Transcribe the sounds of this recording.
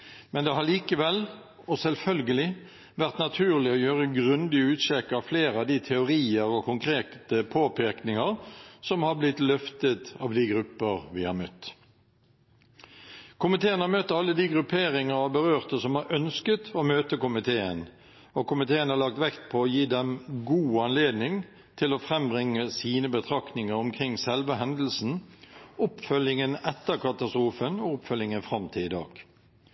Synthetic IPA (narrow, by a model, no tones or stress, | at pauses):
mɛnd̪ɛɦɑʁɭiːkəʋɛl | ɔsɛlfœlɡəlɪ | ʋæʁt̪nɑt̪ʰʉːʁlɪɔjøːʁəɡʁʉnd̪ɪəʉːt̪ʃɛkːəɑʋfleːɾəɑʋd̪ɪt̪ʰɛʊɾiːəʁɔkʰʊŋkʰɾeːt̪əpʰoːpʰɪknɪŋəʁsɔmhɑblɪt̪lœft̪ət̪ɑʋd̪ɪɡɾʉpːəʁʋɪhɑ̰ɾmœt̪ː | kʰʊmɪt̪ʰeːənhɑɾmœt̪ːɑlːəd̪iːɡʁʉpʰeːʁɪŋəɾɑʋbəʁøːʁt̪əsɔmhɑɾʔœnskət̪ʰoːmøːt̪əkʊmɪt̪ʰeːən | ɔkʊmɪt̪ʰeːənhɑɾlɑk̚t̪ʋɛkt̪̚pʰɔoːjiːd̪ɛmɡuːɑnleːd̪nɪŋ | t̪ʰɪloːfʁɛmbʁɪŋːəsiːnəbət̪ʰʁɑknɪŋəɾʊmkʰʁɪŋːsɛlʋəɦɛnd̪l̩sn̩ʊpfœljɪŋənɛt̪ːəkɑt̪ɑst̪ɾuːfənoːʊpfœljɪŋənfʁɑmt̪ʰɪɪd̪ɑ̰ːɡ̥